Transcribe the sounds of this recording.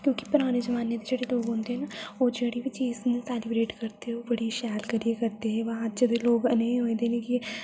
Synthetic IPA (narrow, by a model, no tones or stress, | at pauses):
kjõːki̥pʊɾaːned͡ʒɐʋaːned̪ed͡ʒeːɽeloːɡɦõːnd̪eɦɛːnaoːd͡ʒeːɽibit͡ʃiːznũsɛːlɪbɾeːʈkɐɾt̪eɦɛ̃oːbəɽiʃɛːlkəɾiekɐɾt̪eɦɛ̃ːʋad͡ʒəd̪eloːɡəneːɦoːĩd̪eːnẽki